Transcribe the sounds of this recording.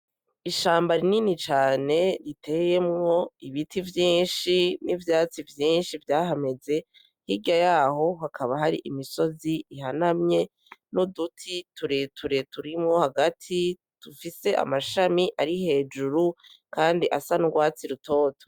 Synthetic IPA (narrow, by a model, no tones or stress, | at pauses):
iʃaːmbaɾininit͡ʃaːne̞ɾitʰe̞je̞mŋoiβitʰivjiːnʃinivjaːt͡sivjiːnʃivjaːɦame̞ze̞ | hiɟajaːɦo̞ɦakʰaβaɦaɾḭʔimiso̞ziːɦanamɲe̞ | nodutʰituɾetʰuɾe̞tuɾimŋo̞haɡatʰi | tufise̞ʔa̰maʃamiʔaɾihe̞ːd͡ʒuɾu | kaːndiʔasanuɡwaːt͡siɾutʰo̞ːtʰo̥